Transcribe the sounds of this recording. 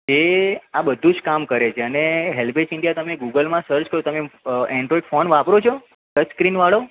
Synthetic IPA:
d͡ʒeabəd̪ʱũd͡ʒkamkəɾet͡ʃʰeəneɦelbesɪɳɖijat̪əmeɡuɡəlmãsəɾd͡ʒkəɾot̪əmeɛ̃ɳɖɾɔiɖfonʋapɾot͡ʃʰo | kət͡ʃskɾinʋaɭo

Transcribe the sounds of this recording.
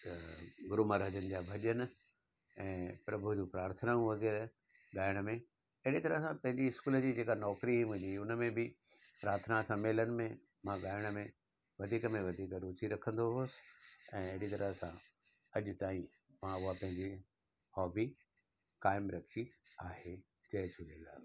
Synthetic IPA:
ɡʊɾumaɾəd͡ʑənɪ̆d͡ʑaːbʱɐʄən̆ | ɛ̃ːpɾɐbʱud͡ʑũpɾaːɾt̪ʰənaũʋɐɣɛːɾ | ɠaːɪəɽ̃mẽ | ɐɦɪɽit̪ɐɾəɦsãpɐ̃ɦɪ̃ɲd͡ʑiɪskuːld͡ʑiːd͡ʑeːkanɔːkɾiɦĩɦʊ̃ɲiʊnə̆mẽbɪ | pɾaːɾt̪ʰənasɐmeːlənɪ̆mẽ | mãɡaːɪəɽ̃̆mẽ | ʋɐd̪ʱiːkəmẽʋɐd̪ʱiːkɾuːt͡ɕiɾɐkʰə̃nd̪oɦosɪ̥ɛ̃ːɐɦɪɽit̪ɐɾəɦsã | ɐʄʊt̪aːĩ | mãʊɦapɐ̃ɦɪ̃ɲd͡ʑi | hɔːbi | kaːɪmɾɐkʰiaːɦe | d͡ʑɐɦd͡ʑʰulẽːɡ̪a̰ːl

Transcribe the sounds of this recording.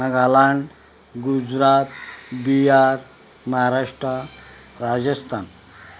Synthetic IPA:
əɡalaɳ | ɡud͡zɾat̪̚bijaɾ | məɦaɾaʂʈɾə | ɾad͡zəst̪ʰan

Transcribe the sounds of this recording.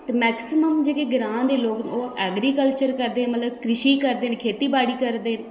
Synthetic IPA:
t̪emɛːksɪməmd͡ʒeːkeːɡɪɾãːnd̪eːloːknoːɛːɡɾiːkəlt͡ʃəɾkəɾd̪ẽːmət̪ləb̚kɾɪʃiːkəɾd̪eːnkʰeːt̪iːbaːɽiːkəɾd̪eːn

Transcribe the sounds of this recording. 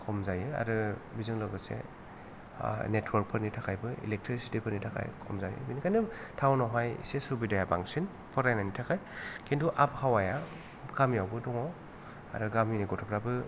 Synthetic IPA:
kʰɔmzajɯa̰ɾɯbizɯŋlɔɡɯsḛ | netʰwɔɾk̚pʰɯɾnitʰakʰajbɯḭlek̚tʰɾisi̥tipʰɯɾnitʰakʰa̰jkʰɔmzajɯ̰binikʰanɯtʰawnɔɦaj̰sesubidajabaŋsin | pʰɔɾajnanitʰakʰajkʰintʰuʔap̚hawaja | ɡ̥amjawbɯdɔŋɔ | aɾɯɡaminiɡɔtʰɔpʰɾabɯ

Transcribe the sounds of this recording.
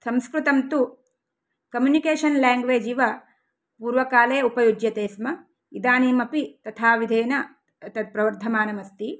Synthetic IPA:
sɐmskɾut̪ɐmt̪u | kɐmjunikeːʂɐnlaːŋɡʋeːd͡ʒiʋɐ | puːɾʋɐkaːleːɐupɐjud͡ʒjɐt̪eːsmɐ | id̪aːniːmɐpit̪ɐt̪ʰaːʋid̪ʱeːnɐ | ɐt̪ɐpɾɐʋɐɾd̪ʱɐmaːnɐmɐst̪i

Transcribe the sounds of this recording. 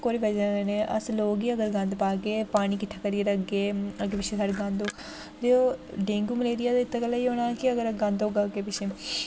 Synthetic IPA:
koːɾiːbəd͡ʒaːeneːʔə̰sloːɡiːəɡəɾɡə̃nd̪paːkeːpaːɽ̃iːkɪʈʰːaːkəɾiəɾəɡeːəkepɪt͡ʃʰeːsaːɽeɡə̃nd̪oːk | d̪eoːɖeːŋɡuːməleːɾɪjaːt̪eɪt̪ːkəlaːiːɦoːñaːkɪəɡəɾɡə̃nd̪oːɡaːkeːpɪʃʰeː

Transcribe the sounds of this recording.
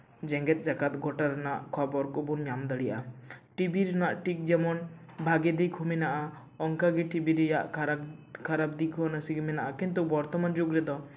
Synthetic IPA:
d͡ʒɛŋɡɛt̪̚d͡ʒaɡat̪̚ɡɔʈaɾɛnaʔkʰɔbɔɾkɔbunɲamd̪əɽijʔaʈibiɾɛnaʔʈik̚d͡ʒɛmɔn | bʱaɡɛd̪ɛjkʰuminaʔa | ɔŋkaɡɛʈibiɾɛjaʔ | kʰaɾap̚d̪ikʰunəsiɡimɛnaʔakint̪ubɔɾt̪ɔmand͡ʒuɡɾɛd̪ɔ

